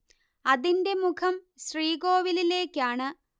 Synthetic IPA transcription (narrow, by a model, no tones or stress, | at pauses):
ɐðinde̞mukʰɐmɕriːɡo̞ːʋilile̞ːkʲːaːɳɨ